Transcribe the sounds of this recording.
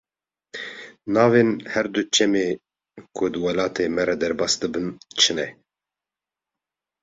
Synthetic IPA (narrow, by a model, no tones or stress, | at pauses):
nɑːvenhɛɾd̪ut͡ʃʰɛmeː | kʰʊd̪wɛlɑːt̪ʰeːmɛɾɛd̪ɛɾbɑːsd̪ɨbɨnt͡ʃʰɨnɛ